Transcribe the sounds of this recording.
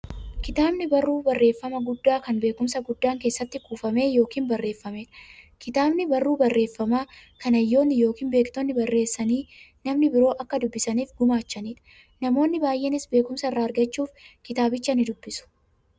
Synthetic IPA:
kɪt̪aːbnɪbɐrːuːbɐrːe̞ːfːɐmɐɡʊd̪ːaːkɐnbeːkʊmsɐɡʊd̪ːaːŋke̞ːsːɐt̪ːɪkuːfɐme̞ːjo̞ːkiːnbɐrːe̞ːfːɐmeːᶑɐ̥kɪt̪aːbnɪbɐrːuːbɐrːe̞ːfːɐmaːkɐnɐjːo̞ːnːɪjo̞ːkiːnbe̞ːkt̪onːɪbɐrːe̞ːsːɐniːnɐmnɪbɪɾo̞ːʔɐkːɐd̪ʊbːɪsɐniːfɡʊmaːt͡ʃːɐniːᶑɐ̥ | nɐmo̞ːnːɪbaːjʔenɪsbe̞ːkʊmsɐɪrːaːɐɾɡɐt͡ʃːuːfkɪt̪aːbɪt͡ʃːɐnɪd̪ʊbːɪsʊ̥

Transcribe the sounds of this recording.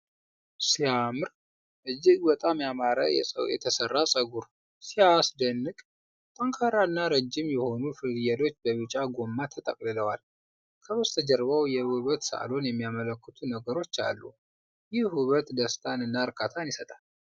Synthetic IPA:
siamɨɾ | ʔɨd͡ʒːɪɡbət̪ʼamjamaɾa̰jɛ̰sʼə̰wjɛ̰t̪ʰəsərːasʼəɡuɾ | siasd̪ənːɨkʼ | t̪ʼəŋkʰaɾaɨnːaɾəd͡ʒːɪmjɛho̞nufɨdjɛlo̞t͡ʃːbəβɨt͡ʃʼaɡo̞mːat̪ʰət̪ʼə̰kʼlɨləwal | kʰəβəst̪ʰəd͡ʒəɾβəwjɛhuβət̪sə̰ʔa̰lo̞njɛmːijamələkːət̪ʰunəɡəɾo̞t͡ʃːa̰lːṵ | jɪhwuβət̪d̪əst̪ʼʰanɨnːaɾkʼat̪ʰanjisət̪ʼal

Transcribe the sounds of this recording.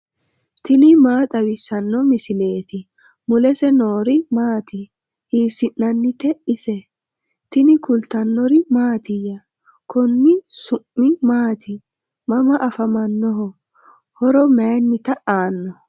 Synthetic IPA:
t̪ɪnɪmaːt̪ʼɐwɪsɐnːɔmɪsɪle̞ːt̪ɪ | mʊlɛsɛnoːɾɪmaːt̪ɪ | hiːsɪnːɐnːɪt̪ɛɪsɛ | t̪ɪnɪkʊlt̪ɐnːɔɾɪmaːt̪ɪjɐ | kʰɔnːɪsʊmːɪmaːt̪ɪ | mɐmɐʔɐfɐmɐnːɔɦɔ | hɔɾɔmɛjnːɪt̪ɐʔaːnːɔ

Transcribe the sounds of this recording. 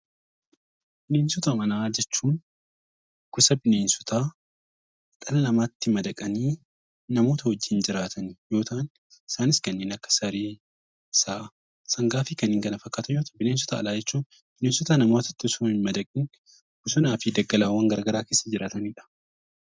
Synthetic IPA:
b̥ɪneːnsʊt̪ɐmɐnaːd͡ʒɛt͡ʃːuːn | kʊsɐbɪne̞ːnsʊ̥t̪ʰaː | t̪ʼɐlɐlɐmaːt̪ːɪmɐd̪ɐkʼɐniː | nɐmo̞ːt̪ɐhɔd͡ʒːiːnd͡ʒɪɾaːt̪ʰɐnjo̞ːt̪ɐʔn | ɪ̥saːnɪskɐnːeːnɐkːɐ̥sɐɾiː | ɪsaː | sɐŋɡaːfɪkɐnɪŋkɐnɐfɐkːaːt̪ɐjoːt̪ɐbɪne̞ːns̬ʊ̥t̪a̰ːlaːd͡ʒɛt͡ʃːuːn | b̥ɪneːnsʊt̪aːnɐmoːt̪ɐ̥t̪ːɪsoɪnmɐd̪ɐkʼɪn | kʊsʊnaːfɪd̪ɐɡːɐlaːwɐŋɡɐɾɐɡɐɾaːke̞ːsːɐd͡ʒɪɾaːt̪ɐniːᶑɐ̥

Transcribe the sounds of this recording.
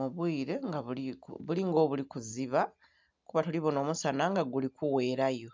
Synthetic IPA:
muβwiːɾe̞ŋɡaβuikṵβuliŋɡo̞ːβulikuziβa | kuβatuliβono̞ːmusanaŋɡaɡulikʰuwe̞ːɾajo̞

